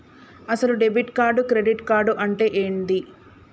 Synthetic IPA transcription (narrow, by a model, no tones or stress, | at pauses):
ɐsɐluɖebiʈkaːɾɖukɾe̞ɖiʈkaːɾɖuʔɐɳʈe̞ːʔeːɳd̪i